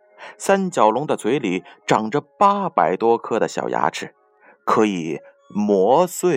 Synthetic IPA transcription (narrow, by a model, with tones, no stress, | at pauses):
sa˥nt͡ɕjɑ˨˩ʊlʊ˧˥ŋd̪ə˧t͡sʰwe˧˥ɪli˨˩ʈ͡ʂɑ˨˩ŋʈ͡ʂə˧pa˥pa˨˧˩ɪt̪wɔ˥kʰɤ˥˩d̪ə˩ɕjɑ̰˨˩ʊja̰˧˥ʈ͡ʂʰɻ̩˥˩˦ | kʰɤ˧˥i˨˩ | mwɔ˧˥swe˥˩